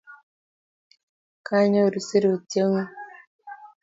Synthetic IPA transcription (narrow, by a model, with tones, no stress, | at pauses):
ka˦ɲa˦˨ɾu˨si˦ɾi˨u˨te˦ŋu˦